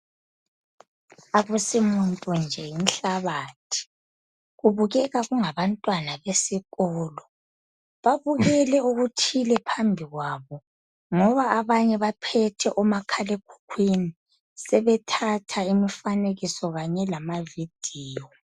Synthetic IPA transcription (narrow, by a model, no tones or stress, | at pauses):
aɣusimuntʼund͡ʒʱɛjin̩ɬaβaːtʰi̥ | ɣuβuɣɛɣaɣuŋaβantʼwanaβesiɣɔːlɔ | βaβuɣɛlɛuɣutʰilɛpʰambʱiɣwaβɔ | ŋɔβaʔːβaɲɛβapʰɛtʰɛʔɔmakʰalekʰu̥kʰwini | sɛβɛtʰatʰaimifaneɣisɔɣaɲɛlamavid̥ʱiːjɔ